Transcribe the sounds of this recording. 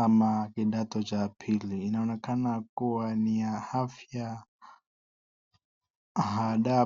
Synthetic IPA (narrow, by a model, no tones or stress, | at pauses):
amakiɗat̪ɔt͡ʃapʰiliːnaɔnɛkanakuwaniahafja | ɦaɗa